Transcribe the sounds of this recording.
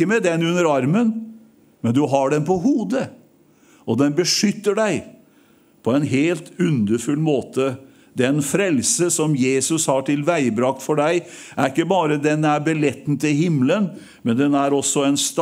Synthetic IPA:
əmɛd̪ɛnːʉnːəɾɑɾmən | mɛnd̪ʉɦɑɖɛnpɔɦuːd̪ə | ɔd̪ɛnbəʂʏt̪ːəɖæɪ | pʰɔɛnɦeːlt̪ʉnd̪əɾfʉlmoːt̪ʰə | d̪ɛnfɾɛlsəsɔmjeːsʉshɑʈɪlʋæɪbɾɑkt̪fɔɖæɪʔæɾɪkːəbɑːɾəd̪ɛnæɾbɛlɛt̪ːn̩t̪ɪlhɪmlən | mɛnd̪ɛnæɾɔsːɔɛnst̪

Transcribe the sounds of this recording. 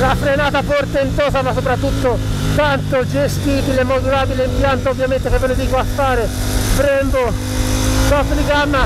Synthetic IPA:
lafɾenaːt̪afɔrt̪ent̪ɔːsamasːopɾat̪ːut̪ːo | t̪ant̪od͡ʒest̪iːbilemːod̪uɾaːbileimpjant̪oovːjament̪ekevːened̪iːkoafːaːɾe | bɾɛmbo | k̪ɔfliɡamːa

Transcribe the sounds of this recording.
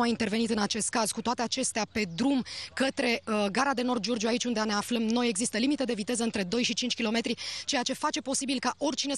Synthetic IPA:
aint̪erve̞nit̪ɨnat͡ʃe̞st̪̚kaz̥kut̪oat̪e̞at͡ʃe̞st̪eape̞d̪ɾumkət̪ɾe̞ɡaɾad̪e̞no̞rd̪̚d͡ʒo̞rd͡ʒijuait͡ʃʲund̪eane̞afləmno̞je̞ɡzist̪əlimit̪e̞d̪e̞vit̪e̞zəɨnt̪ɾe̞d̪o̞jʃit͡ʃint͡ʃʲkʲilo̞me̞t̪ɾit͡ʃe̞jat͡ʃe̞fat͡ʃe̞po̞sibilkaʔo̞rʲt͡ʃine̞

